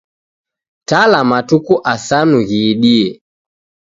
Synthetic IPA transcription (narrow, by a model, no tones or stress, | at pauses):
talamatukuʔasanuɣiɗiɛ